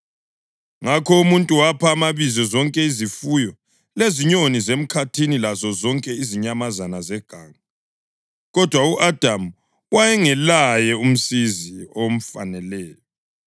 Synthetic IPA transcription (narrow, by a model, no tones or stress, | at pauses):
ŋakʰɔumuntʼuwapʰaːmaβizɔzɔŋkʼɛizifujɔ | leziɲonizem̩kʰatʰinilazɔzɔŋkʼɛiziɲamazanazɛɡ̥ʱaːŋa | ɣɔd̥ʱwauʔad̥ʱam̩ | wajɛŋɛlajɛum̩siziom̩fa̰nɛlɛːjɔ